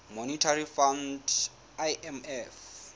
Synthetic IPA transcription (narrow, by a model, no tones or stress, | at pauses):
monitʰarifand | ajʔɛmɛf